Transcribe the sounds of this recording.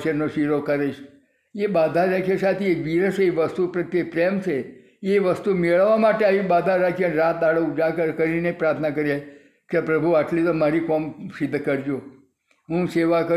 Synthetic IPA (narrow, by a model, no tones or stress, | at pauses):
ʃjənoʃiɾokəɾeʃ | ebad̪ʱaɾakʰjasat̪ʰiekʋiɾəseeʋəst̪upɾət̪ːjepɾemt͡ʃʰe | eʋəst̪umeɭʋamaʈeaʋibad̪ʱaɾakʰiənɾat̪̚d̪aɽəud͡ʒakəɾkəɾinepɾaɾt̪ʰənak̬əɾie | kepɾəbʱuaʈlit̪omaɾikɔmsid̪ʱːkəɾd͡ʒo | ɦũseʋakə